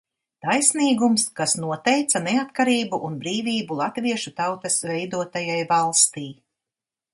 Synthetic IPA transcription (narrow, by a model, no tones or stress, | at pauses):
t̪ajsniːɡumskasnuɔt̪ɛjt̪sanɛat̪kaɾiːbuʔunbɾiːviːbulˠat̪viɛʃut̪awt̪ɐsvɛjd̪uɔt̪ajajvalˠst̪iː